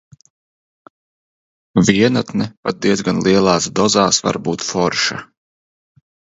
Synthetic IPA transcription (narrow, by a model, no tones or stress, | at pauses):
viɛnat̪nɛpat̪̚d̪iɛzɡanlˠiɛlˠɑːsd̪ɔzaːsva̰ɾbuːt̪fɔɾʃa̰